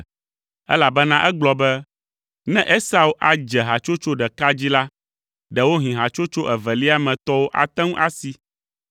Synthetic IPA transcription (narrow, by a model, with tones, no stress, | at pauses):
ɛ̰˦la˨bɛ˦nã˦ʔɛ˦ɡ͡blɔ˦bɛ˦ | nɛ̃˦ʔe˦sa˦u˦ʔa˨d͡ʒɛ˨ɦa˨t͡ʃo˦t͡ʃo˦ɖɛ˨ka˦d͡ʑi˦la˦ | ɖɛ˨wo˦ɦĩ˨ɦa˨t͡ʃo˦t͡ʃo˦ʔɛ˨vɛ˨li˦a˦mɛ̃˨t̪ɔ˦wo˦ʔa̰˨t̪ɛ̃˦ŋũ˦ʔa˦si˦